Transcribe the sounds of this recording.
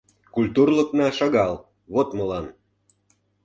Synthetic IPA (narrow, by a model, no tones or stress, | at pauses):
kulʲt̪urlə̆knɑʃɑɣɑl | βot̪mə̆lɑn